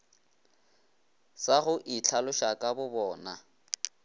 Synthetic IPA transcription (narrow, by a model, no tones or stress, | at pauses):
saɣʊʔit͡ɬʰalʊʃakʼabʊbɔːna